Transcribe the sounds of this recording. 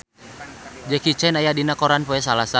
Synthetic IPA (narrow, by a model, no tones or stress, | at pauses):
d͡ʒɛkit͡ʃɛnajadinakɔɾanpɔɛs̬alasa